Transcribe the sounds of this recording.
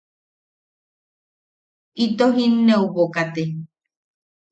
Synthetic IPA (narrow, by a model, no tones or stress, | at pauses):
it̪oɦinːeuβokat̪e